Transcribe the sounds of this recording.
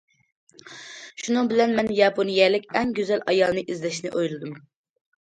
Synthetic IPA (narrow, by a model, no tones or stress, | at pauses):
ʃunɨŋbɪlɛnmɛnjɑpʰonijɛlɪkʲɛŋɡʲyzɛlʔɑjɑlˠnɨʔizlɛʃnɪʔojlˠɨd̪um